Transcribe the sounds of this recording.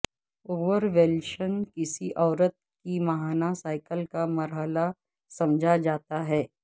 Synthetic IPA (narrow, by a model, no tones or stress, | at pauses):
oːʋəɾʋɛlʃənkɪsiʔɔːɾət̪̚kimɐɦaːnasaːɪkəlkamɐɾɦəla | sɐ̃md͡ʒʱad͡ʒaːt̪aɦɛː